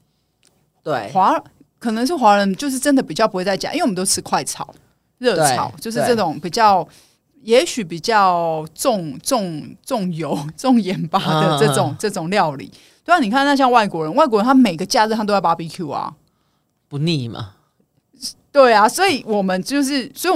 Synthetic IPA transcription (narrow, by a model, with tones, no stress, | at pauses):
we˥˩xwa˧˥ | kʰɤ˨˩nə˧˦ŋʂ̬ɻ̩˥˩xwa˧˥ɻə˧˦nt͡ɕjo˥˧ʊʂɻ̩˥˩ʈ͡ʂə˥nd̪ə˨˩pi˨˩t͡ɕjpu˧˥we˧t͡sa˥˩ɪt͡ɕʔi˥˩˨o˥ʊʈ͡ʂʰɻ̩˥˧kʰwa˥˩ɪt͡sʰɑ̰˨˩˦ʊ | ɻɤ˥˩t͡sʰɑ̰˨˩˦ʊt͡ɕjo˥˧ʊʂɻ̩˥˧ʈ͡ʂɤ˥˩ʈ͡ʂʊ˨˩˦ŋpi˨˩t͡ɕjɑ˥˩ʊ | jɛ˧˥ɕy˨˩pi˨˩t͡ɕjɑ˥˧ʊʈ͡ʂʊ˥˧ŋt͡sʊ˥˧ŋt͡sʊ˥˩ŋjo˧˥ʊt͡sʊ˥˧ŋjɛ˨˥npa˥d̪ə˨ʈ͡ʂɤ˥˩˨ʈ͡ʂʊ˨˩˦ŋʈ͡ʂɤ˥˩ʈ͡ʂʊ˨˩ŋljɑ˥˨˩ʊlḭ˨˦ | t̪e˥˩ni˨kʰa˥˧˥ɕjɑ˥˧ŋwa˥˩ɪkwɔ˧˥ɻə˧˦nwa˥˩ɪkwɔ˧˥˧ə˧˦nʰa˥˩me˨˩ɪɡə˦t͡ɕja˥˧ɻ̩˥t̪ʰa˥˧o˥˩pa˥pi˧˩kʰju˥˩ɐ̰˩ | pu˨˧˦ni˥˩mɐ̰˩ | t̪we˥˩ɪa˩swɔ˧˥i˨˩˦wɔ˨˩mə˦nt͡ɕo˥˧ʊʂ̬ɻ̩˥˩swɔ˧˥i˨